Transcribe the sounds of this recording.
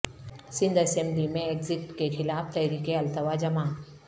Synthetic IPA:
sɪ̃nd̪ɛsẽmblimẽeːkzɪkʈkexɪlaːft̪ɛːɾiːkeɐlt̪əʋad͡ʒɐmaː

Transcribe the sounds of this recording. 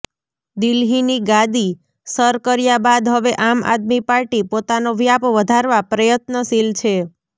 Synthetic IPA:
d̪ilɦiniɡãd̪i | səɾkəɾjabad̪ɦəʋeʔama̰d̪mipaɾʈipot̪anoʋjapʋəd̪ʱaɾʋapɾəjət̪nəsilt͡ʃʰe

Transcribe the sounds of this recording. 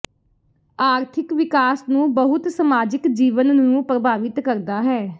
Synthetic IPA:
aːɾt̪ʰɪkʋɪkaːsnũːbəɦʊt̪səmaːd͡ʒɪkd͡ʒiːʋənnũːpɾəbʱaːʋɪt̪kəɾd̪aːɦɛː

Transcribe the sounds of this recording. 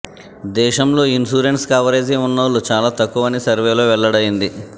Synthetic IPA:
d̪ɛːʃɐmlo̞ːinsuːɾenʈskɐʋɐɾeːd͡ʒeunːɐʋlut͡ʃaːlaːt̪ɐkːuʋɐnisɐɾʋeːlo̞ːʋɛɭːɐɽɐjind̪i

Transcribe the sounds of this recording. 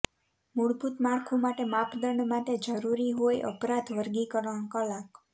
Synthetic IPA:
muɽbʱut̪maɽkʰumaʈemapd̪əɳɖmaʈed͡ʒəɾuɾiɦojʔə̰pɾat̪ʋəɾɡikəɾəɽ̃kəlak

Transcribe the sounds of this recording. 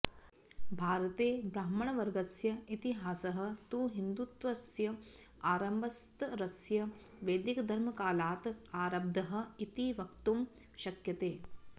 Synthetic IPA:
bʱaːɾɐt̪eːbɾaːmɐɳɐʋɐɾɡɐsjɐit̪iɦaːsɐɦɐ̆t̪uːɦind̪ut̪ʋɐsjɐ | aːɾɐmbɐst̪ɾɐsjɐ | ʋeːd̪ikɐd̪ʱɐɾmɐkaːlaːt̪aːɾɐb̚d̪ʱɐɦɐ̆it̪iʋɐkt̪um | ʃɐkjɐt̪eː

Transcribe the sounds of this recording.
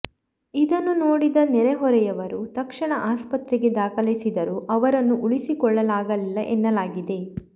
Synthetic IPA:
id̪ɐnːunoːɽid̪ɐnɛɾɛɦɔɾɛjɐʋɐɾut̪ɐkʂɐɳɐʔaːspɐt̪ɾiɡe̞d̪aːkɐlisid̪ɐɾuʔɐʋɐɾɐnːuʔuɭisikɔɭːɐlaːɡɐlilːɐʔenːɐlaːɡid̪e̞

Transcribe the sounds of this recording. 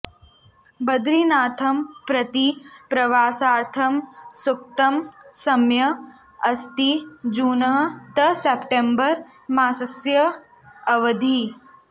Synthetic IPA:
bɐd̪ɾinaːt̪ʰɐmpɾɐt̪ipɾɐʋaːsaːɾt̪ʰɐmsuk̚t̪ɐmsɐmjɐ | ɐst̪id͡ʒuːnɐɦt̪ɐsepʈembɐɾ | maːsɐsjɐ | ɐʋɐd̪ʱi

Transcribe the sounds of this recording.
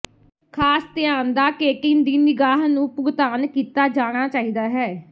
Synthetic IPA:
kʰaːst̪ɪjaːnd̪aːkeːkɪnd̪iːnɪɡaːɦnũːpʊɡt̪aːnkiːt̪aːd͡ʒaːɽ̃aːt͡ʃaːiːd̪aːɦɛː

